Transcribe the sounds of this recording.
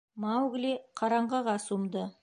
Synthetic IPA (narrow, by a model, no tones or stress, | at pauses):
mawɡleqʰɑɾɑɴʁɑʁɑsumd̪ə